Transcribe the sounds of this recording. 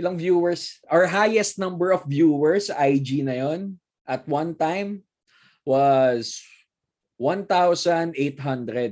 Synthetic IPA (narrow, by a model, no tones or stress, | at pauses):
ɪlɐŋvjuwɛɹsʔaɹɦajɛst̪̚nɐ̃mbɛɹɔfvjuːwɛɹsʔajd͡ʒinɐjon | ʔɐt̪̚wɐ̃nt̪ãjm | wɐs | wɐ̃nt̪awsɐ̃nd̪ʔejt̪̚ɦɐ̃nd̪ɾɛd̪̚